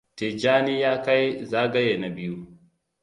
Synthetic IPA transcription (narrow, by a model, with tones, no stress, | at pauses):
te˨d͡ʒaː˦ni˦jaː˦ka˦jzaː˦ɡɐ˦jeː˨na˨bɪ˦ju˦